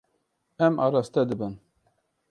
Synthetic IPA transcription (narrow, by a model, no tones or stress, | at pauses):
ɛmʔɑ̰ːɾɑːst̪ɛd̪ɨbɨn